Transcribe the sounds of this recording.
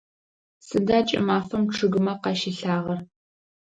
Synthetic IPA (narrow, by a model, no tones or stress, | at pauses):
sɨdaːt͡ʃʼɪ̰maːfɐmʈ͡ʂʰɨɣɨmɐqɑʃɪɬaːʁɐr